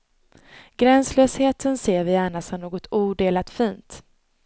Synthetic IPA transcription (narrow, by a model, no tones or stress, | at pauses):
ɡ̥ɾɛnsløːsheːt̪ʰənseːɾvɪjæːɳasɔmnoːɡɔt̪ʰuːɖeːlat̪fiːnt̪